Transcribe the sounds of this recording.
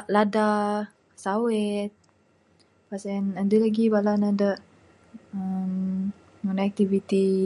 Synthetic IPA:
ʔlada | sawɛt̪̚ | pasɛnəndəlaɡibalanadəʔ | əm | unak̚t̪ivit̪i

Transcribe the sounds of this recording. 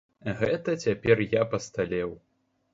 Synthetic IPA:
ɣɛt̪ɐt͡sʲapʲɛrjapɐst̪alʲɛw

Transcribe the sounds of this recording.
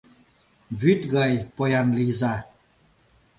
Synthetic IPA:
vyt̪ɣəjpojanliza

